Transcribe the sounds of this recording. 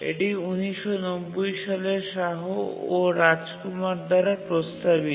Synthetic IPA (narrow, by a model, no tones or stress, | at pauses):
ḛʈiuniʃɔnobːojʃaleʃaɦooɾad͡ʑkumaɾd̪ʱaɾapɾost̪abi